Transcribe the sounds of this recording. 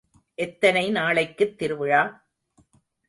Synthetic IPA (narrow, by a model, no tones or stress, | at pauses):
ʔɛt̪ːɐnɐɪnaːɭɐɪkːɯt̪ːɪɾɯʋɯɻaː